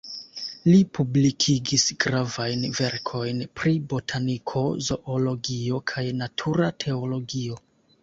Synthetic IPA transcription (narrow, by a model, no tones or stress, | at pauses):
lipublikʰiɡisɡɾavajnve̞ɾkʰo̞jnpɾibo̞tʰanikʰo̞zo̞ʔolo̞ɡio̞kʰajnatʰuɾatʰe̞olo̞ɡio̞